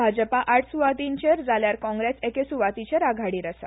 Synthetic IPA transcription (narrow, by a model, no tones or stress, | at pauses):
bʱad͡ʑəpaʔaʈʰsuʋat̪iɲt͡ɕeɾd͡zʱaljaɾkɔ̃ŋɡɾesekesuʋat̪it͡ɕeɾaɡʱaɽiːɾəsa̰